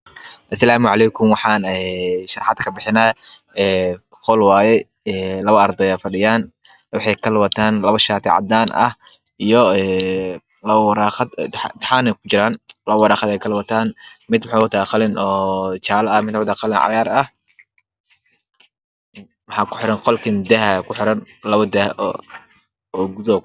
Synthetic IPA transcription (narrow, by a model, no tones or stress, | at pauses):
ʔɐsɐlaːmʊʕɑlɛjkʰʊmwɑħɑːnɛʃɑɾħɑd̪kʰɐbɪħɪnaː | ɛː | qɔlwaːjɛ | ɛːlɐβɐɐrd̪ɛjaːfɐɖɪjaːn | wɑħɑjkʰɐlwɐt̪ʰaːnlɐβɐʃaːt̪ʰɪʕɑ̰d̪aːnʔɐ̰h | ijɔɛː | lɐβɐwɐɾaːqɐd̪t̪t̪ħaːnɛkʰʊ̥t͡ʃɪɾaːnlɐβɐwɑɾaːqɐd̪ɛjkʰɐlwɐt̪ʰaːnmɪd̪wʊħɑːʊt̪ʰaːqɑlɪnɔːt͡ʃaːlɐɐmɪd̪ʊʕd̪aqɑlɪnʕɑ̰jaːɾɐh | wɑħɑːkʰʊ̥ħɪɾɐnqɔlkʰɐnd̪ɛɦɐkʰʊħɪɾɐn | lɐβɐd̪ɛhʔ | ɔːɡuðɔ